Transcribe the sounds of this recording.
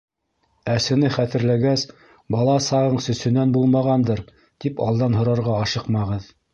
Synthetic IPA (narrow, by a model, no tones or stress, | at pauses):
æsɘ̆nɘχæt̪ɘ̆ɾlæɡæs | bɑlˠɑsɑʁɤɴsɵ̆sɵ̆nænbulˠmɑʁɑnd̪ɤɾ | t̪ipɑ̰lˠd̪ɑnɦŏɾɑɾʁɑːʃɤqmɑʁɤð